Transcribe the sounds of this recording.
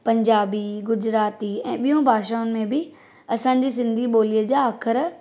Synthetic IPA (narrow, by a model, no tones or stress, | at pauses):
pɐ̃ɲd͡ʑaːbiɡʊd͡ʑɾaːt̪iɛ̃ːɓijũbʱaːʃaːʊnɪ̆mẽbɪ | ɐsãːɲ̆d͡ʑis̬ɪ̃nd̪ʱiɓoːlijəd͡ʑaːkʰəɾ